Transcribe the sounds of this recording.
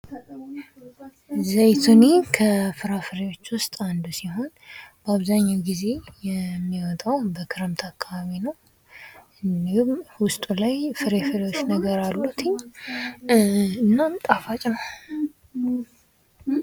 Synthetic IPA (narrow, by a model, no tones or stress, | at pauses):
zəjt̪ʰunekʰəfɨɾafɨɾewo̞t͡ʃːwʊst̪ʼand̪usiɦo̞nb̥əaβzaɲːawɡize̞jɛmːiwɔt̪ʼawbəkʰɨɾəmt̪ʰakːaβaβinəw | ʔɨnd̪ihumwʊst̪ʼulajfɨɾefɨɾewo̞t͡ʃːnəɡəɾalːut̪ʰɨɲː | ɨnːamt̪ʼafat͡ʃʼnəw